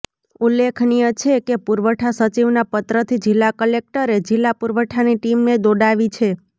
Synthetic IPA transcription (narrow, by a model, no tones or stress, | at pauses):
ulːekʰnijət͡ʃʰekepuɾʋəʈʰasət͡ʃiʋnapət̪ɾət̪ʰid͡ʒilːakəlek̚ʈəɾed͡ʒilːapuɾʋəʈʰaniʈimned̪oɖaʋit͡ʃʰe